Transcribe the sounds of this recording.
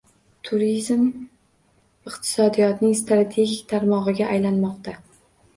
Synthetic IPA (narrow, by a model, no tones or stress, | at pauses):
t̪ʰʊɾizm | ɪqt̪ʰɪ̥sɒd̪ijɒt̪nɪŋst̪ɾat̪ʰe̞ɡʲikʲt̪ʰaɾmɒʁɨɡʲaʔːjlanmɒqt̪ʰa